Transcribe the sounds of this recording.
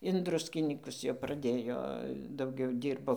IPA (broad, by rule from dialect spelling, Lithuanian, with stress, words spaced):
ɪn ˈdrʊsʲkʲɪnʲiːkʊs jɛʊ prɐˈdʲeːjoː dɐʊˈɡʲɛʊ ˈdʲiːrboː